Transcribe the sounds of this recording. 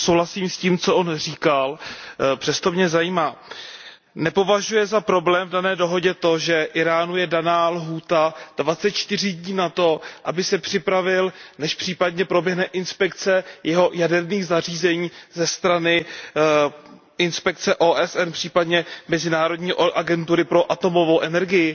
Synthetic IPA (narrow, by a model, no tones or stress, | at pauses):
sowlasiːmsciːmt͡so̞ʔonriːkalpr̥ɛst̪omɲɛzajiːmaː | nɛpo̞vaʒujɛzapɾo̞blɛːmvdanɛːdo̞ɦo̞ɟɛt̪o̞ʒɛʔɪɾaːnujɛdanaːlɦuːt̪ad̥vat͡sɛt̪̚t͡ʃt̪ɪr̝ɪdɲiːnat̪o̞ʔabɪsɛpr̝̥ɪpɾavɪlnɛʃpr̝̥iːpadɲɛpɾo̞bjɛɦnɛʔɪnspɛkt͡sɛjɛɦo̞jadɛɾniːɣzar̝iːzɛɲiːzɛst̪ɾanɪ | ɪnspɛk̚t͡sɛʔoːʔɛsʔɛnpr̝̥iːpadɲɛmɛzɪnaːɾo̞dɲiːʔʔaɡɛnt̪uɾɪpɾo̞ʔat̪o̞mo̞vo̞wʔɛnɛɾɡɪjɪ